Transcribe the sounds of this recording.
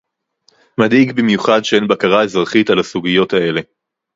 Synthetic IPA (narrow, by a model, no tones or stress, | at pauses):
mad̪iɡbimjuχadʃeenbakaʁaezʁaχitalasuɡijo̞thae̞le̞